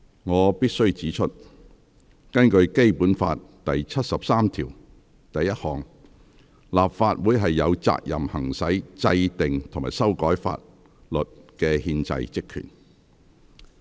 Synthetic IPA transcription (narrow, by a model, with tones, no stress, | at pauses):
ŋɔː˨˧piː˥t̚sɵ˥ɥt͡siː˨˥t͡ʃʰɵ˥t̚ | kɐ˥nkɵ˧ɥke˥jpuː˨˥nfa̰ː˧tt̪ɐ˨jt͡sʰɐ˥t̚sɐ˨p̚saː˥mt̪ʰiː˨˩w | t̪ɐ˨jːɐ˥t̚hɔː˨ŋ | laː˨pfaː˧t̚wuː˨˥jɦɐ˨jːɐ˨˧wt͡sa̰ː˧k̚jɐ̰˨mhɐ˨˩ŋsɐ˨˥jt͡sɐ˧jt̪ɪ˨ŋt̪ʰo˨˩maː˨˩jsɐ˥wkɔː˨˥jfa̰ː˧t̚ | lɵ˨t̚kɛː˧hiː˧nt͡sɐ̰˧jt͡sɪ˥kʰy̰ː˨˩n